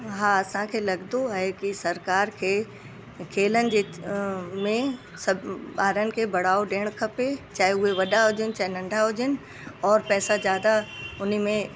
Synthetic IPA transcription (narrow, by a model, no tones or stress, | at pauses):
ɦãɐsãkʰelɐɡd̪oɦɛkisɐɾkaːɾkʰe | kʰeːlənɪ̆d͡ʒe | mẽ | sɐbaːɾənɪ̆kʰebɐɽ̤aːoɖeːɽ̃kʰɐpet͡ʃaːɦeɦʊeʋɐɗaɦoːd͡ʒənt͡ʃaːenɐ̃ɳɖʱaɦoːd͡ʒən | ɔːɾpɛːsazjaːd̪aʊnimẽ